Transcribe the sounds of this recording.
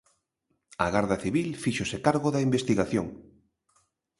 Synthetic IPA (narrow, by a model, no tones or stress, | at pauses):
ɐɣaɾðɐθiβilfiʃosekaɾɣoðɐimbest̪iɣaθjoŋ